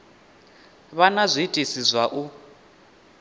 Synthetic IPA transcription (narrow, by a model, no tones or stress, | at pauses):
βanazʷitʼisizʷwaʔu